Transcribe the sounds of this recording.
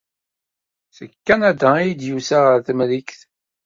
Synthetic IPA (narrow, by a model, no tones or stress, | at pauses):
səkːænæd̪æjid̪jusaʁəɾθmlikθ